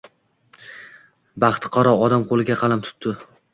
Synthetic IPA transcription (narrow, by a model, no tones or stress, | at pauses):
bɑχt̪ʰqʰɒɾɒɒd̪amqʰolˠɪɡʲaqʰɑlamt̪ʰʊ̥t̪ːɪ